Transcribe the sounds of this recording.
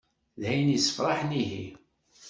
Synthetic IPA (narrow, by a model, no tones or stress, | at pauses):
lhæjnisə̥fɾˤɑħniɦḭ